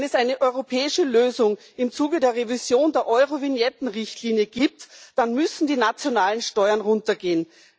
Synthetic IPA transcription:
nɛsʔaɪnəʔɔʏʁopʰɛːɪʃəløːzʊŋ | ɪmt͡suːɡədeːɐʁevizjoːndeːɐʔɔʏʁovɪnjɛtn̩ʁɪçtliːnjəɡ̥iːp̚td̥anmʏsn̩diːnat͡sjonaːlənʃtɔʏɐnʁʊntɐɡeːən

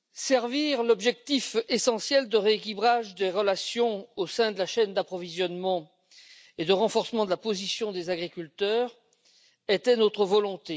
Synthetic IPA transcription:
sɛʁviʁlɔbʒɛk̚t̪ifesɑ̃sjɛld̪əʁeekibʁaʒd̪eʁəlasjɔ̃osɛ̃d̪əlaʃɛnd̪apχɔvizjɔnmɑ̃ | ed̪əʁɑ̃fɔʁsmɑ̃d̪əlapozisjɔ̃d̪ezaɡʁikʲylt̪œʁ | et̪ɛnot̪χəvɔlɔ̃t̪e

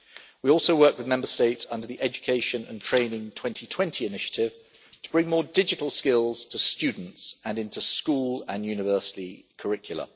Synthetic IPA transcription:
wiɔˑlˠsəʊwɜˑkwɪðmɛ̃mbəsteɪtsʌ̃ndəðiʔɛd͡ʒəkʰeɪʃə̃nə̰̃ntʰɹ̥ẽɪ̃nɪ̃ŋtʰw̥ɛ̃ntʰitʰw̥ɛ̃ntʰiɪnɪʃə̥tʰɪv̥tʰəb̥ɹɪ̃ŋmɔːdɪd͡ʒɪtˡəlˠskɪlˠz̥tʰəst͡ʃʉːdⁿn̩tsə̃nɪ̃ntuskuːlə̃njʉːnɪvɜˑsɪ̥tikʰəɹɪkʰjl̩ˠə̰

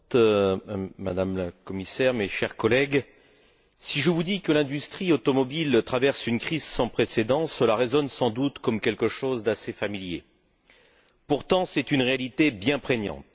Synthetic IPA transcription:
t̪ | ma̰d̪amlakɔmisɛʁmeʃɛʁkɔlɛɡ | siʒəvud̪ikəlɛ̃d̪yst̪χiot̪ɔmɔbilt̪χavɛʁsynkχizsɑ̃pχesed̪ɑ̃səlaʁezɔnsɑ̃d̪ut̪kɔmkʲɛlkəʃozd̪asefamiljḛ | puʁt̪ɑ̃sɛt̪ynʁealit̪ebjɛ̃pχeɲɑ̰̃t̪

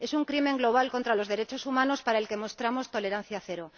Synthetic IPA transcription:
e̞suŋkɾime̞ŋɡlo̞β̞alko̞nt̪ɾalo̞zðe̞ɾe̞t͡ʃo̞sumãno̞spaɾaelke̞mo̞st̪ɾamo̞st̪o̞le̞ɾãn̟θjaθeɾo

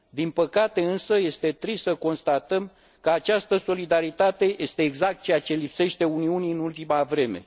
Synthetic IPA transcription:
d̪inpəkat̪e̞ɨnsəje̞st̪e̞t̪ɾisːəko̞nst̪at̪əm | kəat͡ʃast̪əso̞lid̪aɾit̪at̪e̞jʔe̞st̪e̞ːɡzak̚t̪̚t͡ʃejat͡ʃe̞lipse̞ʃt̪e̞uniuniɨnult̪imavɾe̞me̞̰

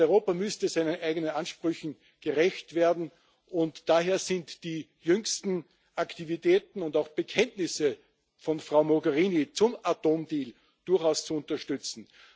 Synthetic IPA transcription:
ɔʏʁoːpamʏstəzaɪnənʔæɪɡənənanʃpʁ̥ʏçn̩ | ɡ̥əʁɛçtv̥eːɐdn̩ | ʊntd̥aːɦeːɐz̥ɪntd̥iːjʏŋstn̩ | ʔaktivitʰɛːtn̩ʊndaʊxb̥əkʰɛntnɪsə | fɔnfʁ̥aʊmoɡɛʁiːnit͡sʊmatoːmdiːl | d̥ʊɐxaʊst͡suʊntɐʃtʏt͡sn̩

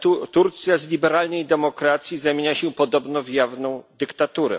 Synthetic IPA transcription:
ut̪uɾt̪sʲjazlʲibɛɾalnɛjd̪ɛmɔkɾat̪sʲjizamʲeɲaɕɛpɔd̪ɔbnɔvjavnɔ̃w̃d̪ɘkt̪at̪uɾɛ̰

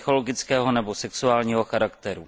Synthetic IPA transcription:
xo̞lo̞ɡɪt͡skɛːɦo̞nɛbosɛksuaːlɲiːɦo̞xaɾakt̪ɛɾu

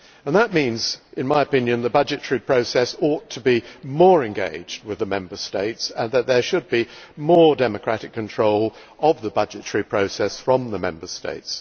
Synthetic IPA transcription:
ə̃nðət̚mĩnzɨ̃nmaɪəpɪ̃njɨ̃nðəbʌd͡ʒɨtəɹipʰɹ̥oʊsɛsɔtʰəbimɔɹɨ̃nɡḛɪd͡ʒd̚wɨðəmɛ̃mbə˞steɪtsə̃nðɨt̪̚ðə˞ʃɨd̚bimɔɹdɛmɨkʰɹ̥æɾɨkʰːɨ̃ntʰɹ̥oʊlˠ | ʔʌvðəbʌd͡ʒɨtʰəɹipʰɹ̥oʊsɛsfɹʌ̃mðəmɛ̰̃mbə˞stḛɪts

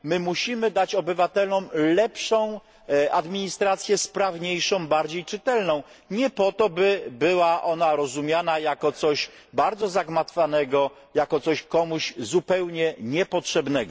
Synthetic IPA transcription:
mɘmuɕimɘd̪at͡ɕɔbɘvat̪ɛlɔmlɛpʂɔ̃w̃ | ʔad̪mʲiɲist̪ɾat̪sʲjɛspɾavɲejʂɔ̃w̃baɾd͡ʑejt͡ʂɘt̪ɛlnɔ̃w̃ | ɲɛpɔt̪ɔbɘbɘwaʔɔnaɾɔzumʲjanajakɔt̪sɔɕ | baɾd̪zɔzaɡmat̪fanɛɡɔ | jakɔt̪sɔɕkɔmuɕzupɛwɲɛɲɛpɔtʂɛbnɛɡɔ

